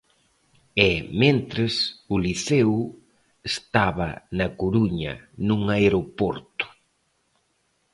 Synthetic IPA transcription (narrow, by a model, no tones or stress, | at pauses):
ɛmẽnt̪ɾesʊliθew | est̪aβɐnɐkoɾuɲɐ̰nũŋaeɾopɔɾt̪ʊ̥